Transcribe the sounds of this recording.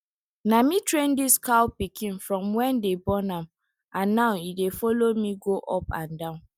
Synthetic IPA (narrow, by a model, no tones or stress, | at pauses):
namitɹẽndiskaʊpikʰĩnfɹɔ̃mwɛ̃ndebɔnam | ʔãnːaʊidefɔlomiɡoʔɔpã̰ndãʊ̃n